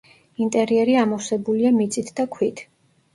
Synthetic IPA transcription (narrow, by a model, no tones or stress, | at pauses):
int̪ʼɛɾiɛɾiamɔsɛbuliamit̪sʼit̪ʰd̪akʰwit̪ʰ